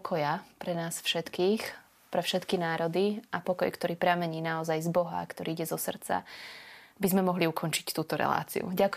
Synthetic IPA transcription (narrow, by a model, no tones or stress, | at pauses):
kʰɔjapɾɛnaːsfʃɛt̪kiːx | pɾɛfʃɛt̪kinaːɾɔd̪iapɔkɔjkt̪ɔɾiːpɾɪamɛɲiːnaɔzajzbɔɦa̰kt̪ɔɾiːiɟɛzɔsr̩t͡sa̰ | bizmɛmɔɦliukʰɔnt͡ʃi̥ct̪uːt̪ɔɾɛ̰la̰ːt͡sḭṵɟak